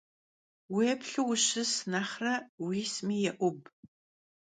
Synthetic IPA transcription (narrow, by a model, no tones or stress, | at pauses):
wepɬɨwɕɨsnaːχrɐwiːsmiːjɛʔʷʊb̚